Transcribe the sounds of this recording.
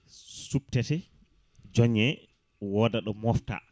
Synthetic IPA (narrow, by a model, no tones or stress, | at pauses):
sup̚tɛtɛ | d͡ʒɔɲːɛ | wɔːdaɗɔmɔfta̰